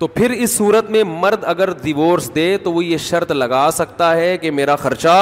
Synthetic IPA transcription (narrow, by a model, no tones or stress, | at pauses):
t̪oːpʰɪɾɪsːuːɾət̪mẽmɐɾd̪ɐɡəɾɖɪʋoːɾsd̪eːt̪oʋojeʃɐɾt̪lɐɡaːsɐk̚t̪aɦɛkemeːɾaxɐɾt͡ʃa